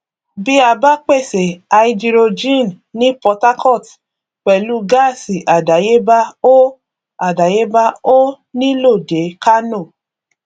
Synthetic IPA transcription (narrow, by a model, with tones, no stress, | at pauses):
bi˦a˧ba˦k͡pe˦˨se˨a˨i˧d͡ʒi˧ɾo˧d͡ʒĩ˦˨n˨ | nĩ˦pɔ˧ta˦kɔ˦˨t | k͡pɛ˨lu˦ɡa˦˨si˨ʔa˨da˨je˦ba˦o˦ | a˨da˨je˦ba˦o˦ | nĩ˦lo˦˨de˨˦ka˦no˦˨